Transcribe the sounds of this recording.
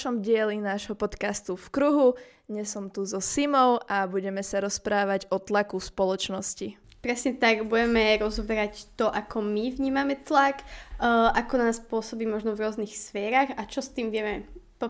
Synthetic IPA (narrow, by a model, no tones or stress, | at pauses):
ʃɔmɟɪɛlinaːʒɦɔpɔt̪kast̪ufkɾuɦu | ɲɛsɔmt̪uzɔsimɔʊʔabuɟɛmɛsaɾɔspɾaːʋaɟɔt̪lakuspɔlɔt͡ʃnɔsci | pɾɛsɲɛt̪aɡbuɟɛmɛɾɔzɔbɛɾact̪ɔʔakɔmivɲiːmamɛt̪lak | ʔakɔnaːspʊɔsɔbiːmɔʒnɔvɾʊɔznixsfɛːɾaɣat͡ʃɔst̪iːmʋɪɛmɛpɔ